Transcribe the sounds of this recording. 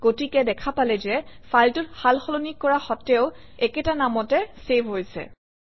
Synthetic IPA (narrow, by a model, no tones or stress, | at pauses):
ɡ̥otikɛdɛkʰapalɛzɛfʰaltʊthalxɔlonikːɔɹaxɔtɛʊɛkɛtanamɔtɛsebʱɦojsɛ̰